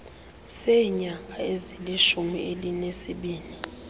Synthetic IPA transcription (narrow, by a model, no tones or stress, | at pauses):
sɛɲak̬aeziliʃumiʔelinesiɓiːni